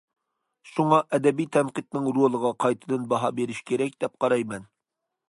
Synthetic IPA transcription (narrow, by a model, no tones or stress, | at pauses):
ʃuŋɑʔɛd̪ɛbijt̪ʰɛnqət̪nɨŋɾolˠəʁɑqʰɑjt̪ʰɨd̪ɨnbɑɦɑbeɾɪʃkʲʰeɾɛk̚ʲd̪̥ɛp̚qʰɑɾɑjmɛn